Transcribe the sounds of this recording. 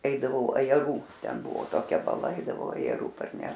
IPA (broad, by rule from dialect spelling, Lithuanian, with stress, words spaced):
ˈɛɪdɐʋɐʊ ɐjɛˈruː ˈtʲɛn ˈbʊʋoː toːˈkʲɛ bɐˈlˠɐ ˈɐɪdɐʋɐʊ ɐjɛˈruː pɐrʲˈnʲɛʃ